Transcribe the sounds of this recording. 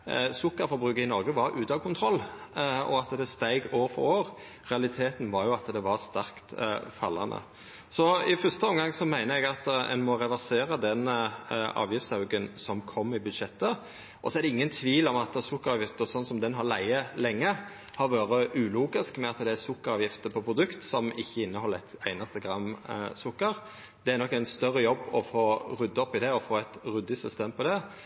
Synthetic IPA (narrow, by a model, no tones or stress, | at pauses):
sʊkːɑɾfɔɾbɾʉːkəɪnɔɾɡəʋɑɾʉːt̪ɑkʰʊnt̪ʰɾɔlːɔ̰ɑt̪d̪ɛst̪æɪɡoːʋəɾfɔ̰ɾoːɾ | ʁɛɑlɪt̪ʰeːt̪n̩ʋɑɾjʊɑt̪d̪ɛʋɑʁst̪æʁkt̪fɑlːɑ̰nd̪ə̰ | sɔɪfœst̪əɔmɡɑŋːsɔmæɪnəɛɡɑt̪ɛ̰nmɔɾɛʋæʁseːɾəd̪ɛn | ɑ̰ːʋjɪft̪sɑʉɡənsɔmkʰɔmːɪbʉd̪ʂɛt̪ːə | ʔɔsɔɛɾd̪ɛɪŋːənt̪ʰʋiːlɔmɑt̪sʊkːəɾɑːʋjɪft̪əsɔnsɔmd̪ɛnɦɑɾlæɪəlɛŋːə | hɑɾʋɑːɾəʔʉːluːɡɪskmɛɑt̪d̪ɛæsʊkːəɾɑːʋjɪft̪əpʰɔpʰɾʊd̪ʉkt̪sɔmɪçːəɪnːəhɔlːæt̪æɪnɑst̪əɡɾɑmsʊkːəɾ | d̪ɛæɾnɔkːæɪnst̪œrːəjɔbːɔfoːɾʉd̪ːəɔpɪd̪ɛɔfoːæɪt̪ɾʉd̪ːɪsʏst̪eːmpʰɔd̪ɛ